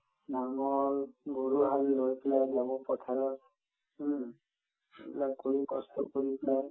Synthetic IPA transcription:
naŋɔlɡuɹuɦalːojplajzamɔpɔtʰaɹɔ | blakoɹikɔstɔ̰koɹiplaj

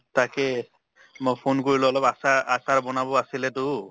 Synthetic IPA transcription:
takɛ | mojpʰonkoɹilɔɔlɔbasaasaɹbɔnabɔasilɛtʊ

